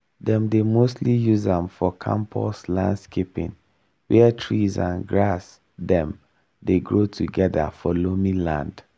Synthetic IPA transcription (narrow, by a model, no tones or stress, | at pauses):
dɛ̃mdemostlijuzãmfɔkʰã̰mpʰɔ̰slãndskʰepĩn | wɛtʰɹizãnɡɹas | dɛ̃m | deɡɹotʰuɡɛda̰fɔlomilã̰nd